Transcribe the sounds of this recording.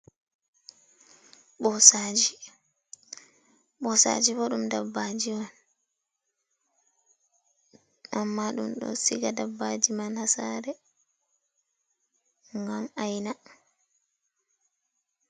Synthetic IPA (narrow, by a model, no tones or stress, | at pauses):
ɓɔsad͡ʒi | ɓɔsa̰d͡ʒibɔɗumdabːad͡ʒiwɔn | ʔamːaɗṵmɗɔ̰siɡadabːad͡ʒimanhasaːɾɛ | ŋɡamajna